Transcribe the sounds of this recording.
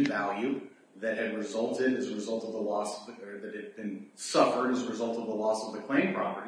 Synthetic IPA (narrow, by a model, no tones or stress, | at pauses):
vælˠjʉ | ðɨt̚hɨd̚ɹɨzʌlˠtɪɾɨzəɹɨzʌlˠtʌvðəlɔsðɨt̚ɨd̚bɨ̃nsʌfə˞ɾɨzəɹɨzʌlˠtʌvðəlɔsʌvðɨkʰl̥ẽɪ̃mpʰɹ̥ɑpə˞ɾ